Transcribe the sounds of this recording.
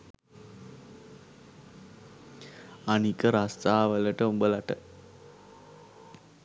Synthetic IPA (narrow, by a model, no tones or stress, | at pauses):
anikəɾast̪aːʋələʈəumbəlaʈə